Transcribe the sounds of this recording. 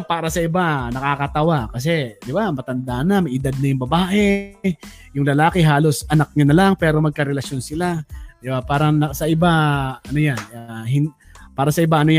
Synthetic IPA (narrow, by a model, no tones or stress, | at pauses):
paːɾɐsɐʔɪbanɐkaːkɐt̪ɐwakɐs̬ɛd̪ɪbamɐt̪ɐnd̪aʔnɐmɐjʔɪd̪ad̪̚nɐjʊŋbɐbaːʔɛ | jʊŋlɐlaːkɛɦaːlosɐnɐk̚ɲanɐlaŋpɛːɾo̞mɐɡ̚kɐɾɛlɐsjo̞nsɪlad̪ɪbapaːɾɐŋnɐsɐʔɪbaʔɐnojanahɪn | paːɾɐsɐɪbaʔɐnoja